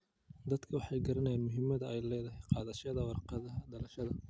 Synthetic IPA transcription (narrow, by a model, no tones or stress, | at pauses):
d̪ɐd̪kʰɐwɑħɑjɡɐɾɐnɛjaːnmʊɦɪmɐðɐʔɛjlɛːðɐɦɛjqɑːðɐʃɐðɐwɑrqɑðɐɦɐɖɐlɐʃɐðɐ